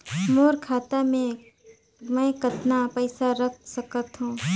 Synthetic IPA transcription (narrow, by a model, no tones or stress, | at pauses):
moːɾkʰaːt̪amẽ | mɛ̃ːkət̪napɛɪsaɾək̚ʰsəkət̪ɦũː